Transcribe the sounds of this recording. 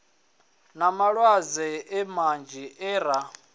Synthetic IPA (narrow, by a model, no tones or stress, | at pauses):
namaɺwazɛɪmand͡ʒʱiʔɛːɾa